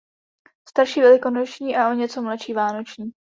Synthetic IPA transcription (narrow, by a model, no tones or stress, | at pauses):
st̪aɾʃiːvɛlɪko̞not͡ʃɲiːʔaʔoɲɛt͡so̞mlaʃiːvaːno̞t͡ʃɲiː